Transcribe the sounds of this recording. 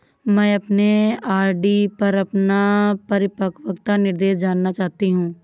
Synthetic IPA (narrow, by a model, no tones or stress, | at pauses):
mɛ̃ːɐpneaːɾɖiːpɐɾɐpnapəɾɪpəkʰʋəkt̪anɪɾd̪eːʃd͡ʒaːnːat͡ʃaːɦt̪iɦũː